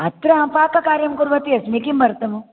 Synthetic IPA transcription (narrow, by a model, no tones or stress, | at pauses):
ɐt̪ɾɐɦɐ̃paːkɐkaːɾjɐmkuɾʋɐt̪iɐsmikimɐɾt̪ɐmu